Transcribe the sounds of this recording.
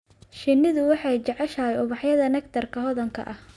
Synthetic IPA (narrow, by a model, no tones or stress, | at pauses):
ʃɪnːɪðʊwɑħɑjt͡ʃɛʕɛʃɐɛjʊβɑħjɐðɐnɛkt̪ʰɐrkʰɐɦɔðɐŋkʰɐ̰ʔɐh